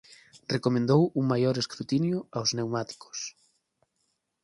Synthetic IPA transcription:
rekomẽnd̪owuŋmajoɾeskɾut̪injʊawznewmat̪i̥ko̥s

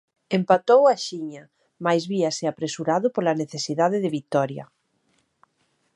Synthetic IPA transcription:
empat̪owaʃiɲa | majzβiaseapɾesuɾaðʊpolaneθesiðaðeðɪβit̪ɔɾja̰

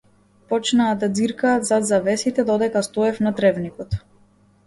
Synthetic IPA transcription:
pɔt͡ʃnaːd̪ad̪ziɾkaːt̪zad̪zavɛsit̪ɛd̪ɔd̪ɛkast̪ɔɛfnat̪ɾɛvnikɔt̪

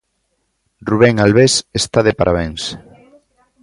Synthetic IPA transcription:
ruβ̞ɛŋalβesest̪aðepaɾʔaβeŋs

